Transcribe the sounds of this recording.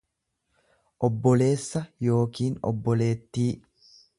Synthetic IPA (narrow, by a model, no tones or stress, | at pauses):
ʔɔbːɔle̞ːsːɐjo̞ːkiːnɔ̰bːɔleːt̪ːiː